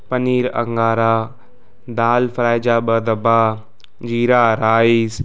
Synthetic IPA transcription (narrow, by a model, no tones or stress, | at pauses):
pɐniːɾɐ̰ŋɡaːɾaː | d̪aːlfəɾaːjd͡ʒaːbəd̪ɐbaː | d͡ʒiːɾaːɾaːiːs